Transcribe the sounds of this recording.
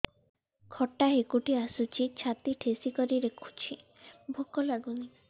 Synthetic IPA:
kʰɔʈːaɦekuʈiasut͡ʃʰit͡ɕʰat̪iʈʰesikɔɾiɾekʰu̥t͡ʃʰi | bʱokɔlaɡuni

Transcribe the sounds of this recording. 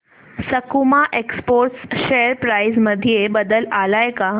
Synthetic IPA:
səkumaʔekspoɾʈsɕejəɾpɾajzməd̪ʱijebəd̪əlalajka

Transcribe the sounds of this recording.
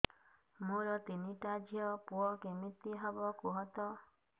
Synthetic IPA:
mũɾɔt̪iniʈad͡ʒʱijɔpuɔkemit̪iɦɔbɔkuɦɔt̪ɔ

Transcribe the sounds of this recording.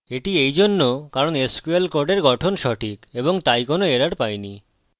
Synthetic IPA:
eʈiejd͡ʑonːokaɾoneskuelkoɾɖeɾɡɔʈʰonʃɔʈʰikeboŋt̪ajkonoeɾaɽpajni

